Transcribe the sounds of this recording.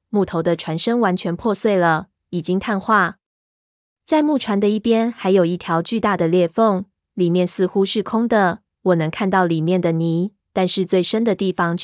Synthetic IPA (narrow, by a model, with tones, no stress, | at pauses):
mu˥˩t̪ʰo˧˥ʊd̪ə˧ʈ͡ʂʰwa˧˥nʂə˥ŋwa˧˥nt͡ɕʰɥɛ˧˥npʰwɔ˥˧swe˥˩ɪlə˩ | i˨˩t͡ɕi˥ŋt̪ʰa˥˧nxwa˥˩ | t͡sa˥˧ɪmu˥˩ʈ͡ʂʰwa˧˥nd̪ə˧i˥˩pjɛ˥nxa˧˥ɪjo˨˩ʊi˥˩t̪ʰjɑ˧˥ʊt͡ɕy˥˧t̪a˥˩d̪ə˩ljɛ˥˧fo˥˩ŋ | li˨˩mjɛ˥˨nsɹ̩˥˧xu˦ʂɻ̩˥˩kʰʊ˥ŋd̪ə˨ | wɔ˨˩nɤ˧˦˥ŋkʰa˥˧nt̪ɑ˥˩ʊli˨˩mjɛ˥˩nd̪ə˩ni˧˥˦ | t̪a˥˧nʂɻ̩˥˧t͡swe˥˩ɪʂə˥nd̪ə˨t̪i˥˩fɑ˩ŋ